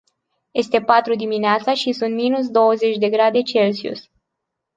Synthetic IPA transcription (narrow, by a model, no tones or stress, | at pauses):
je̞st̪e̞pat̪ɾud̪imineat̪saʃisunt̪minus̬d̪o̞wəze̞t͡ʃʲd̪e̞ɡɾad̪e̞t͡ʃe̞lsiṵs